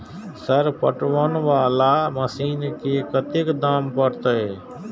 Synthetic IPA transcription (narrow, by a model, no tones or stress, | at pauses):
səɾpə̰ʈʋənʋaːlaməsiːnkekət̪ɪkd̪aːmpəɾt̪əeː